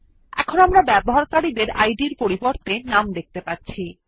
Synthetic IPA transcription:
ɛ̰kʰonamɾabɛboɦaɾkaɽid̪eɾa̰jɖiɾpoɾiboɾt̪enamd̪ek̚t̪epatːɕʰi

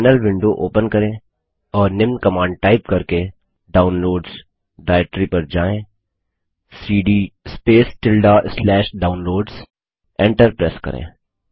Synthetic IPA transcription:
nəlʋɪ̃ɳɖoʔoːpənkɐɾẽː | ɔːɾnɪmnkɐmãːɳɖ̚ʈaːɪp̚kɐɾke | ɖaːʊnloːɖz | ɖaːɛk̚ʈɾipɐɾd͡ʒaːẽː | siːɖiːspeːsʈɪlɖaslɛːʃɖaːʊnloːɖz | ɛ̃ɳʈəɾpɾɛːskɐ̰ɾʔḛ̃ː

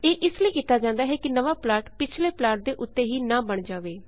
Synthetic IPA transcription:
eːʔɪsləiːkiːt̪aːd͡ʒãːnd̪aːɦɛːkɪnəʋaːplaːʈpɪt͡ʃʰleːplaːʈ̚d̪eːʔʊt̪ːeːɦiːnãːbəɳd͡ʒaːʋeː

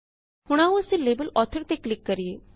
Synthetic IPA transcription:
hʊɽ̃aːũəsĩleːbəlɔːt̪ʰəɾt̪eklɪkːəɾijeː

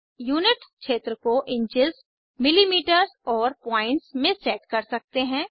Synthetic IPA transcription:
juːnɪʈkʃeːt̪ɾəkoʔɪ̃ɲt͡ʃɪz | mɪlimiːʈəɾzɔːɾpɔ̃ːɪ̃ɳʈsmẽsɛːʈkɐɾsɐk̚t̪eɦɛ̃ː

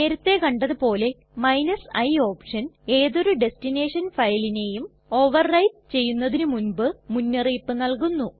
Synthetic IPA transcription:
ne̞ːɾɐt̪ːe̞kɐɳɖɐðupo̞ːle̞ | mɐjnɐsɐjo̞ːpʂɐne̞ːðo̞ɾuɖe̞stine̞ːʂɐnfɐjline̞jum | o̞ːʋɐrːɐjʈ̚t͡ɕe̞jːunːɐðinɨmunbɨmunːɐriːpːɨnɐɭkunːu

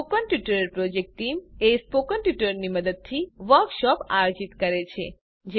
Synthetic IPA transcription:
okənʈjuʈəɾelpɾod͡ʒek̚ʈʈimespokənʈjuʈəɾniməd̪əd̪̚t̪ʰiʋəɾkʃɔpajod͡ʒit̪kəɾet͡ʃʰḛ | d͡ʒ

